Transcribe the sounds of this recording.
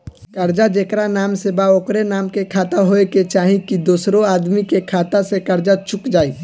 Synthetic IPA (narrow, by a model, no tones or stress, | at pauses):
kɐɾd͡ʒad͡ʒeːkɾanaːmsebaoːkɾenaːmkekʰaːt̪aɦoːeket͡ʃaːɦĩkid̪oːsɾõaːd̪mikekʰaːt̪asekɐɾd͡ʒat͡ʃʊkd͡ʒaːiː